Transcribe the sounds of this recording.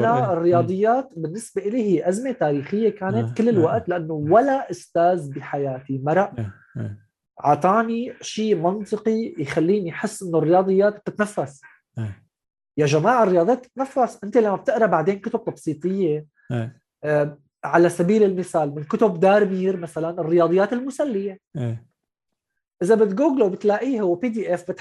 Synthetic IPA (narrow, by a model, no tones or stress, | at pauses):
anaɪrːɪjɑːd̪ˤɨjːaːt̪bɪnːɪsbeʔɪliːhɪjːʔazmet̪aːɾiːxɪjːekaːnɪt̪kɪlːɪlwaʔt̪lɪʔanːowalaʔʊst̪aːzbiħajaːt̪imɑɾˤɑʔ | ʕɑt̪ˤɑːniʃiːmɑnt̪ˤɨqijxalːiːnijħɪsːʔɪnːorːɪjɑːd̪ˤɨjːaːt̪̚b̚t̪ɪt̪nafːas | jaʒamaːʕɪrːɪjɑːd̪ˤjaːt̪̚ɪ̥t̪nafːasʔɪnt̪elamːab̚t̪ɪʔɾˤɑbaʕd̪eːnkʊt̪ʊb̚t̪ɑbsˤiːt̪ˤɨjːe | ʕalasabiːlɪlmɪθaːlmɪnkʊt̪ʊbd̪aːɾˤmiːɾmasalanɪrːɪjɑːd̪ˤɨjːaːt̪ɪlmʊsalːɪjee | ʔɪzabɪt̪ɡuːɡlwbɪt̪laːʔiːhwpiːd̪iːʔɛfbɪt̪